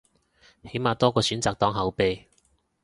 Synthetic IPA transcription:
he˨˥jmaː˨˧t̪ɔː˥kɔː˧syː˨˥nt͡saː˨k̚t̪ɔː˨˥ŋɦɐ˨˥wpe˨˧

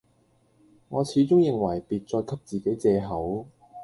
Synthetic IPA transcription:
ŋɔː˨˧t͡sʰiː˨˥t͡sʊ˥ŋjɪ˨˩ŋwɐ˨˩jpiː˨t̚t͡sɔː˧jkʰɐ˥p̚t͡siː˨ke˨˥jt͡sɛː˧ɦɐ˨˥w

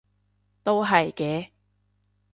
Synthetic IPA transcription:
t̪o˥wɦɐ˨jkɛː˨˥

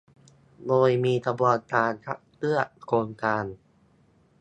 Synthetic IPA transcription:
d̪oː˧jmiː˧t̪ʰa˧bɔː˧˩t̪ːaː˧nkʰa̰˦˥ʔ̚t̪ɯ˥˩ɐkʰoː˧nkaː˧n

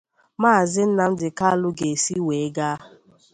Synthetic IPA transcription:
maː˦˨zɪ˦n̩˦na˦m̩˦dɪ˨ka˦lʊ˦ɡe˨si˦we˨˦ɡa˦

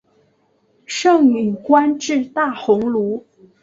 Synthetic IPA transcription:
ʂɤ˥˩ŋmi˨˩ŋkwa˥nʈ͡ʂɻ̩˥˧t̪a˥˩xʊ˧˥ŋlu˧˥

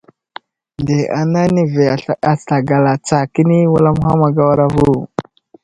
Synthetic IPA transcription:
nde˨ʔa˨na˦ni˦ve˨a˨sa˨ɡa˨la˨t͡sa˨ki˦ni˦wa˦la˦m˦xa˦ma˨ɡa˦wa˦ɾa˦vu˦˨

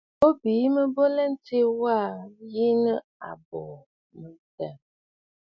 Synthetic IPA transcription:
bo˦bi˨˦mə˦bo˦lɛ˦n̩˦te˦wa˦˨ji˦nə˦ | a̰˨bɔ˨ | mə˨ta˨

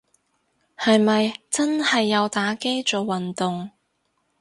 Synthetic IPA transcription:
hɐ˨jmɐ˨jt͡sɐ˥nhɐ˨jːɐ˨˧wt̪aː˨˥ke˥jt͡so˨˩wwɐ˨nt̪ʊ˨ŋ

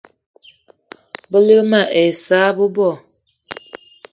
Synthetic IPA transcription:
bə˦lə˦ma˨ʔe˨sa˨˦bə˦bɔ˦˨

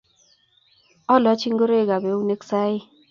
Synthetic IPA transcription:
ɔ˦lɔ˨˦t͡ʃi˦ŋɡo˦ɾe˦˨ɡa˨be˨˦u˦ne˦ksa˦ɪ˦

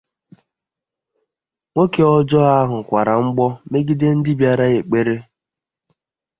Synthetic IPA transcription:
ŋʷo˦ke˨ɔ˦d͡ʒɔ˦a˦ɦʊ˨kʷa˨ɾa˨ŋ͡m̩˦ɡ͡bɔ˦me˦ɡi˦de˦n̩˦dɪ˦bja˦ɾa˦e˨k͡pe˦ɾe˦

